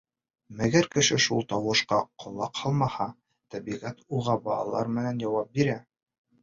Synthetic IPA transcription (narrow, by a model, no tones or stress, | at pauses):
mæɡæɾkɘ̆ʃɘʃulˠt̪ɑwɤ̆ʃqɑqʰŏlˠːɑqhɑlˠmɑhɑ | t̪æbiʁæt̪ulˠʁɑbɑlˠɑ̰lˠɑɾmɘ̆nænjɑwɑp̚biɾæ